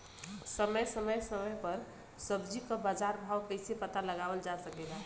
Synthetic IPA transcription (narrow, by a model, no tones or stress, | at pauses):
səməjsəməjsəməjpəɾ | səbd͡ʒikəbad͡ʒaɾbʱawkəɪsepət̪aləɡabəld͡ʒasəkɛla